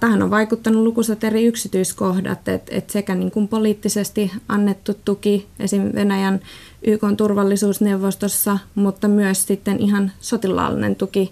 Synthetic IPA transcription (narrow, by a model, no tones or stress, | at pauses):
t̪æhæno̰ʋʋɑikut̪ːɑnulukuset̪eriyksit̪yiskohdɑ̰t̪ḛt̪ḛt̪sekæniːŋkumpoliːt̪ːisest̪iʔɑnːet̪ːut̪t̪ukiḛsiʋenæjæn | ʔyːkont̪urʋɑlːisuːsneuʋːost̪osːɑmut̪ːɑmyøssit̪ːenʔiɦɑnsot̪ilˑɑ̰ːlːḭnḛnt̪uki